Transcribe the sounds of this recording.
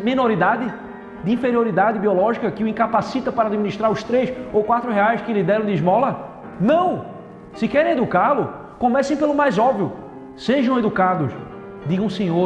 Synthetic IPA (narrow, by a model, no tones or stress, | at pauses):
mĩnoɾid̪ad̪ɪ | d̪ɪĩfeɾioɾid̪ad̪ɪbiɔlɔʒikɐkɪuĩkapasit̪ɐpaɾɐad̪imĩniʃt̪ɾaɾʊst̪ɾesowkwat̪ɾʊɦeajskɪlid̪ɛɾɐ̃w̃d̪ɪiʒmɔlɐ | nɐ̃w̃ | sɪkɛɾẽed̪ukalʊ | kõmɛsẽj̃pelʊmajzɔbviʊ | seʒɐ̃w̃ed̪ukad̪ʊs | d̪iɡɐ̃ũsẽɲo